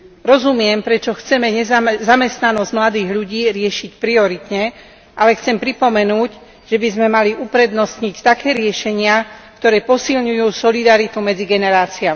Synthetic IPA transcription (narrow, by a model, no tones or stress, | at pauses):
ɾɔzumɪɛmpɾɛt͡ʃɔxt͡sɛmɛɲɛzamɛst̪nanɔzɟmlad̪iːɣʎuɟiːɾɪɛʃicpɾiɔɾit̪ɲɛ | ʔalɛxt͡sɛmpɾipɔmɛnuːɟ | ʒ̥ɛbizmɛmaliʔupɾɛd̪nɔst̪ɲict̪akɛːɾɪɛʃɛɲɪakt̪ɔɾɛːpɔsilɲujuːsɔlid̪aɾit̪umɛd͡ziɡɛnɛɾaːt͡siami